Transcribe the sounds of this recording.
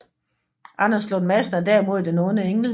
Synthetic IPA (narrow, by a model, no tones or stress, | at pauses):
ʔɑ̈nɐsloːðmæsn̩æd̥æɐimo̝ð̞̰ˠd̥enɔ̽ːnəeŋl̩